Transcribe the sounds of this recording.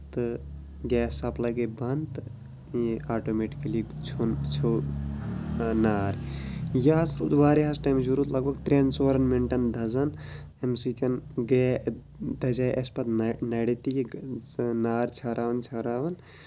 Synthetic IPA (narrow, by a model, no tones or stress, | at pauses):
t̪ɨ | ɡɛːsːɐplɐɡebɐnt̪ | aːʈoːmeʈi̥kɐlit͡ʃʰont͡ʃʰo | naːɾjasɾuːt̪ʋaːɾiɦasʈɐːmd͡ʒuɾuːt̪lɐɡbʱɐɡt̪ɾent͡soːɾɐnmiɳʈɐnd̪ʱɐzɐn | emsit̪ʲɐnɡɛː | d̪ɐd͡ʒaːjʔɐspɐt̪nnɐɽit̪iji | naːɾt͡ʃʰɐɾʔaːʋɐnt͡ʃʰɐɾaːʋɐn